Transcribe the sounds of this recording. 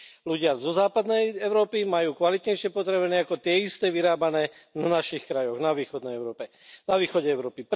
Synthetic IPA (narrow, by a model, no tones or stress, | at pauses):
luɟɪazɔzaːpad̪nɛjɛʊɾɔːpimajuːkʋalit̪ɲɛjʃɪɛpɔt̪ɾɛʋɛnɛːakɔt̪ɪɛist̪ɛːʋiɾaːbanɛːnanaʃixkɾajɔɣnaʋiːxɔd̪nɛjɛʊɾɔːpɛ | naʋiːxɔɟɛɛʊɾɔːpip